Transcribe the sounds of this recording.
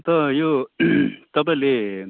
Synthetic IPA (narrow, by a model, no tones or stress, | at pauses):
t̪ʌjo | t̪ʌpãle